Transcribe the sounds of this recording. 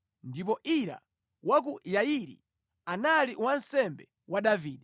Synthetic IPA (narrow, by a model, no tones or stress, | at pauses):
ndip̬ɔʔiɾa̰ | wak̬ujaiɾḭ | analiwansɛmbɛ | waɗaviːɗi